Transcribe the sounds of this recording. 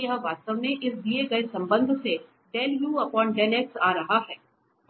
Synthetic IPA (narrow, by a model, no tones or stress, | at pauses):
jɐɦʋaːst̪əʋneʔɪsd̪ieɡɐesɐ̃mbə̃nd̪ʱse | ɖɛːljuːɐpɔːnɖɛːleːksaːɾɐɦaɦɛː